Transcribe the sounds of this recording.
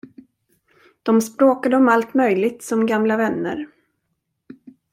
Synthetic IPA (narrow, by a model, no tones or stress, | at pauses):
d̪̥ɔmspɾoːkad̪əɔmalt̪mœjlɪɡ̚t̪sɔmɡamlavɛnːə̰ɾ